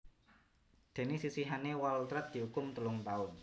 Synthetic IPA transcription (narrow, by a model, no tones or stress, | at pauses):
d̪̥e̤nesisiɦanewault̪ɾɛt̪̚d̪̥i̤ukʊmt̪əlʊŋt̪aʊn